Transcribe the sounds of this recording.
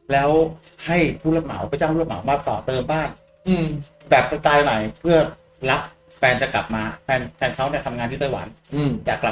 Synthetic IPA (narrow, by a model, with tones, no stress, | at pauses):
lɛː˦˥w | ha˥˩jpʰu˥˩la˧ma̰˩˦wpa˧t͡ɕa˥˩mʰu˥˩la˧˩ma˩˦wmaː˧k̚t̪ɔː˨˩t̪ɤː˧mbaː˥˩ŋ | ʔɯː˧˩ | bɛː˨˩p̚a˧t̪aː˧jma˨˩jpʰɯ˥˩ɐ | la˦˥p̚ | fɛː˧nt͡ɕa˨˩kla̰˨˩p̚maː˧fʰɛː˧nfʰɛː˧nkʰa˦˥wni˥˩t̪ʰa˧mŋa˧t̪ʰiː˥˩t̪aː˥˩jwa̰˩˦nɯ˧˩t͡ɕaː˨˩kla˨˩